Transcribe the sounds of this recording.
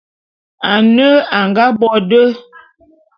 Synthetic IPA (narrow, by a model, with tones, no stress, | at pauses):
a˨nə˦a˨ŋɡa˦bɔ˦˨də˦